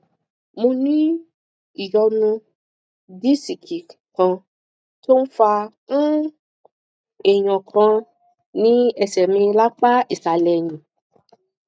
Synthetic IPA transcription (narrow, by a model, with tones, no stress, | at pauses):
mũ˧nĩ˦ | i˨jɔ˧nũ˧ | di˦si˨kʰi˨kã˧ | to˦n̩˦fã˧˦ | e˨ɲ̃ɔ̃˨kɾ̃ã˧ | nĩ˦ɛ˨sɛ˨mĩ˧la˦k͡pa˦ʔi˨sa˨lɛ˨ɲĩ˨